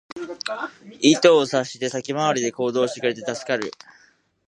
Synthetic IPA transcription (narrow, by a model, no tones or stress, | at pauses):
it̪o̞ːsaɕi̥t̪e̞sakʲimaβ̞aɾʲid̪e̞ko̞ːd̪o̞ːɕit̪ekɯ̟ɾe̞t̪e̞t̪asɨ̥kaɾɯ̟̰